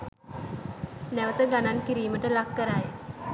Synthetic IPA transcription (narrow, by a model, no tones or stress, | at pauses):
næʋət̪əɡanankiɾiːməʈəlakːəɾaj